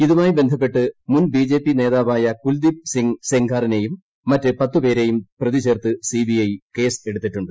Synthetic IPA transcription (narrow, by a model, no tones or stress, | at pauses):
iðumaːjibe̞nd̪ʱɐp̬ːe̞ʈːɨmunbiːd͡ʑe̞ːpːine̞ːðaːʋaːjɐkuld̪ip̚siŋseŋɡaːrine̞jumː | ɐtːɨpɐt̪ːupe̞ːɾe̞jumprɐðiɕeːrt̪ːɨsiːbijɐjke̞ːse̞ɽut̪ːitːuɳɖɨ